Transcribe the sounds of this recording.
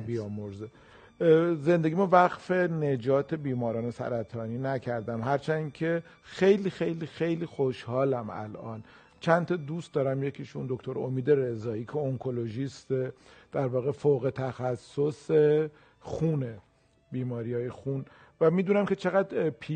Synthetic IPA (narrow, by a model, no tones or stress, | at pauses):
bijɒːmoɾze | ze̞nd̪e̞ɡimɔvæɣfe̞ne̞d͡ʒɒːt̪ʰe̞biːmɒːɾɒːne̞sæ̰ɾæt̪ʰɒːniːnæcʰæɾd̪æmɦæɾt͡ʃʰæncʰe̞ | xe̞jliːxe̞jliːxejliːxoʃhɒːlæmæ̰lʔɒ̰ːn | t͡ʃʰænt̪ʰɒd̪ust̪̚d̪ɒːɾæmjecʰiʃund̪o̞kʰt̪ʰo̞ɾo̰miːd̪e̞ɾe̞zɒːiːcʰeoŋkʰo̞lo̞ʒist̪ed̪̥æɾvɒːɣe̞foɣe̞t̪ʰæxæsːose | xuːne | biːmɒːɾiːjɒːjexun | væmiːd̪uːnæmcʰe̞t͡ʃʰe̞ɣæd̪pʰi